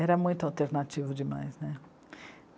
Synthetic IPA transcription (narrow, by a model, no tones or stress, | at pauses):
ɛɾɐmũj̃t̪ʊawt̪eɾnat͡ʃivʊd͡ʒɪma̰jznɛ